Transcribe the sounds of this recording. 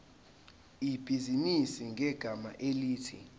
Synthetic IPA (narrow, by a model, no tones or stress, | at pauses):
ib̥ʱizinisiŋʱɛɡ̥ʱama̰ʔeliːtʰḭ